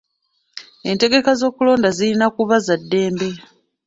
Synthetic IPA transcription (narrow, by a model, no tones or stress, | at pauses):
e̞nte̞ɡe̞kazo̞ːkulo̞ːndazilinakuβazadːe̞ːmbe̞